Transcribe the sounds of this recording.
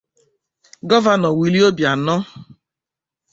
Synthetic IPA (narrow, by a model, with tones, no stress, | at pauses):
ɡɔ˦va˨nɔ˨wi˨li˦o˦bja˨nɔ˦